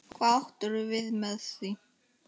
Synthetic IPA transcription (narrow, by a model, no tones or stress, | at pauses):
kʰvaht̪ʏɾʏvɪðmɛðθi